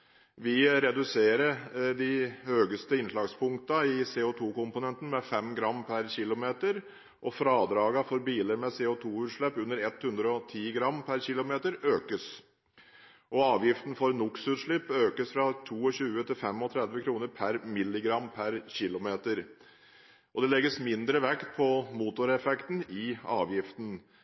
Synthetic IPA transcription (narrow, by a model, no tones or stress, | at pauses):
ʋɪɾɛd̪ʉseːɾəd̪ɪhøːɡəst̪əɪnʂlɑːɡspʰʊŋkt̪ɑɪseːʊt̪ʰuːkʊmpʊnɛnt̪ən̩mɛfɛmɡɾɑmːpʰæɾɕɪlʊmeːt̪əɾ | ʔɔfɾɑːd̪ɾɑːɡɑfɔɾbiːləɾmɛseːʊt̪ʰuːʉːt̪ʂlɭɛpːʉnːəɾɛt̪hʉnd̪ɾəɔt̪ʰiːɡɾɑmːpʰæɾçɪlʊmeːt̪əɾøːkəs | ʔɔɑːʋjɪft̪n̩fɔɾnʊksʉːt̪ʂɭɪpːøːkəsfɾɑt̪ʰuːɔɕʉːət̪ʰɪlfɛmɔt̪ʰɾɛd̪ʋəkʰɾuːnəɾpʰæɾmɪlːɪɡɾɑmːpʰæɾɕɪlʊmeːt̪əɾ | ʔɔd̪ɛlɛɡːəsmɪnd̪ɾəʋɛkt̪̚pʰɔmuːt̪ʊɾɛfɛkt̪n̩ɪɑːʋjɪft̪n